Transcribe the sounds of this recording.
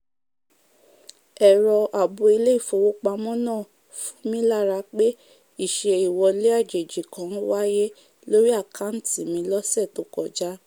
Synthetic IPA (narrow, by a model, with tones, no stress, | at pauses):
ɛ˨ɾɔ˧ʔa˨bo˨i˧le˦i˦˨fo˨˧˨wo˦k͡pa˧mɔ̃˦nãː˦˨ | fũ̥˦mĩ˦la˦˨ɾa˧k͡pe˦ | i˦˨ʃe˧i˨wɔ˧le˦a˦˨d͡ʒe˨d͡ʒi˨kã˨˦wa˦je˦ | lo˦ɾi˦a˦˨kʰa˨˦n̩˦ti˨mĩ˧˦lɔ˦sɛ˦˨to˨˦kɔ˨d͡ʒa˦